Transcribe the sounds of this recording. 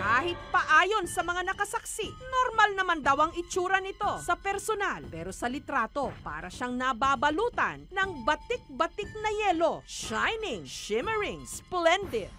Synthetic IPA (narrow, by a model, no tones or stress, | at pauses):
kaːhɪt̪̚pɐʔaːjo̞nsɐmɐŋanɐkɐsɐksiʔnoɾmɐlnɐmand̪ɐwɐŋɪt͡ʃuːɾɐnɪt̪o̞sɐpɛɾsonalpɛːɾo̞sɐlɪt̪ɾaːt̪o̞pa̰ːɾɐʃaŋnɐbaːbɐluːt̪ɐ̰nːɐŋbɐt̪ɪk̚bɐt̪ɪk̚nɐjɛːlo̞ʃajnɪŋʃɪmɛɹɪŋsplɛnd̪ɪd̪̚